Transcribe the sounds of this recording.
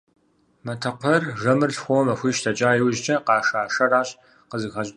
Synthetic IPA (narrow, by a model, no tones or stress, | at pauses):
mɐtʰɐqʷʰɔrʒɐmɨrɬxʷowmɐxʷiːʃtʰɐt͡ʃʼaːjɪwʑt͡ʃʼɐqɑːʂaːʂɐraːɕʼ | qəzɨxɐɕʼ